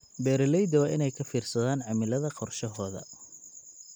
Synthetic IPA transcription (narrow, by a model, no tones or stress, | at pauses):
bɛːɾɐlɛjd̪ɐwɑːʔɪnɛjkʰɐfiːrsɐðaːnʕɑmɪlɐðɐqɔrʃɐɦɔːðɐ̰